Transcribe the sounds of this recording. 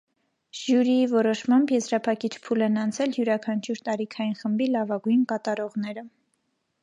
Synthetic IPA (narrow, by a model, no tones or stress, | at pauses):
ʒjuɾiivɔɾɔʃmɑmbjɛzɾɑpʰɑkit͡ʃʰpʰulɛnɑnt͡sʰɛljuɾɑkʰɑnt͡ʃʰuɾt̪ɑɾikʰɑjinχəmbilɑvɑɡujnkɑt̪ɑɾɔʁn̪ɛɾə